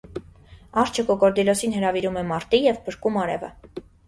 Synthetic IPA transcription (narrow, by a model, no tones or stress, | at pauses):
ɑɾt͡ʃʰəkɔkɔɾd̪ilɔsinɦəɾɑviɾumɛmɑɾt̪ijɛvbəɾkumɑɾɛvə̰